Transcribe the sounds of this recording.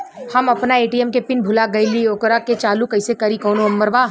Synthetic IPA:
hɐmɐpnaeːʈiɛmkepɪnbʱʊlaɡɐilioːkɾaket͡ʃaːlukɐɪsekɐɾikɔːnoɐmːəɾʋaː

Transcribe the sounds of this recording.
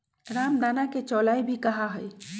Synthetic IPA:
ɾamd̪anaket͡ʃɔlajbʱikəɦaɦəj

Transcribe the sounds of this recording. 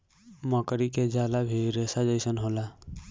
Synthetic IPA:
mɔkəɾiked͡ʒalabʱiɾesad͡ʒəɪsənɦola

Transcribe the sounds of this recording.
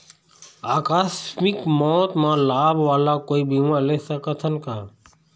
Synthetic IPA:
aːkaːsmɪkmɔːt̪mãːlaːbʱʋaːlaːkoːiːbiːʋãːleːsəkət̪ʰənkaː

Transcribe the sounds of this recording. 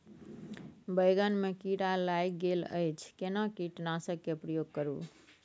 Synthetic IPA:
bəjɡənmekiɽalajkɡelə̰jt͡ʃʰkenakiʈnasəkːepɾəjoɡ̚kəɾṵ

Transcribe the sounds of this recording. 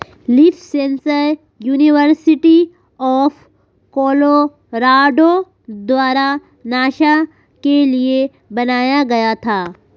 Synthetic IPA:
lifʰsẽnsəɾ | juːnɪʋəɾsɪʈi | ɔːf | kɔːlo | ɾaːɖo | d̪waːɾa | naːʃa | kelie | bɐnaːjaɡɐjat̪ʰaː

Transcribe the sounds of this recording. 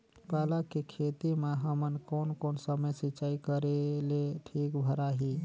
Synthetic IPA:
palakekʰet̪imeɦəmənkonkoːnsəməjsit͡ʃaikəɾeleʈʰikbʱəɾaɦi

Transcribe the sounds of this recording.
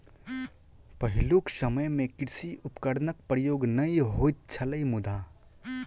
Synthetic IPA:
pɐɦɪloksəməjmẽkɪɾsiʔʊpkəɾnək̚pɾəjoːɡnɐiɦoːit̪̚t͡ʃʰɐləimʊd̪ʱa

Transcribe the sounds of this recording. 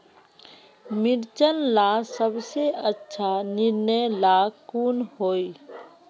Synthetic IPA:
mɪɾt͡ʃənlaːsəbseʔətːʃʰanɪɾnəjlaːkuːnhoːi

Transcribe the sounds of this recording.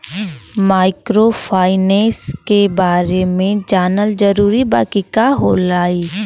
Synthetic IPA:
maːɪkɾoːpʰaːɪnẽːskebaːɾemẽd͡ʒaːnəld͡ʒəɾuːɾiba̰ːkikaɦoːlaːiː

